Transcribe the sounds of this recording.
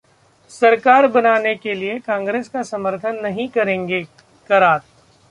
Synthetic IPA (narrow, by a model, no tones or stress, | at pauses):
sɐɾkaːɾbɐnaːnekeliekãːŋɡɾeːskasɐməɾt̪ʰənːɐɦĩkɐɾẽːŋɡe | kɐɾaːt̪